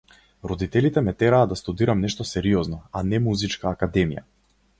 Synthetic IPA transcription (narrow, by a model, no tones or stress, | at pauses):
ɾɔd̪it̪ɛlit̪ɛmɛt̪ɛɾaːd̪ast̪ud̪iɾamnɛʃt̪ɔsɛɾiɔznɔanɛmuzit͡ʃkaːkad̪ɛmija̰